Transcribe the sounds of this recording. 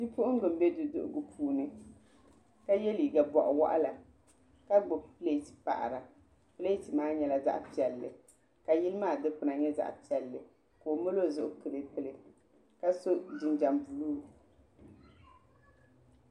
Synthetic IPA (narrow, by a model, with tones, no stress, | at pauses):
ti˦pʊ˦ʔʊ˦ŋ˦ɡɨ˨m̩˦bɛ˦dɨ˨dʊ̰˦˨ʔʊ̰˨ɡɨ˨pʰuː˨nɨ˦ | ka˦je˦liː˨ɡa˨bɔ˨ʔʊ˨wa̰˦ʔa̰˦la˨ | ka˦ɡ͡bo˨pɨ˦le˦ti̥˨pa̰˨ʔa̰˨ɾa˨ | pɨ˦leː˦tɨ˨maː˦ɲɛ˨la˨za̰˦ʔpi˨ɛ˨lːɨ˨ | ka˨ji˦lɨ˦maː˦˨dɨ˦pʊ˨na˨ɲɛ˦za̰˦ʔpi˨ɛ˨lːɨ˨ | koː˨mo˦lo˦˨zʊ˦ʔʊ˦kɨ˨lɨ˦pɨ˦lɨ˨ | ka˦so˦dɨ˨nd͡ʒa˨mbu˨luː˦